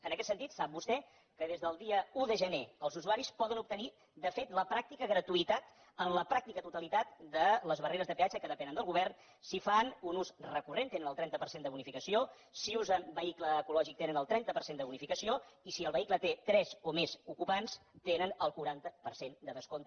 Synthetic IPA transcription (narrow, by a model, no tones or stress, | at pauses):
ənəkɛt̪sənt̪it̪sap̚bust̪ɛ | kəðezðəlˠd̪iəuðəʒəneəlˠzuzuaɾispɔðənup̚t̪əni | d̪əfet̪ləpɾak̚t̪ikəɣɾət̪uit̪at̪ | ənləpɾak̚t̪ikət̪ut̪əlit̪at̪d̪ələzβəreɾəzðəpeat͡ʃəkəðəpɛnənd̪əlˠɣuβɛrn | sifanunuzrəkurent̪enənəlˠt̪ɾɛnəpəɾsend̪əβunifikəsio | siuzəmbəikləːkulɔʒik̚t̪enənəlˠt̪ɾɛnt̪əpəɾsend̪əβunifikəsioisiəlˠβəiklət̪et̪ɾɛzomezukupanst̪enənəlˠkuɾant̪əpəɾsend̪əðəskont̪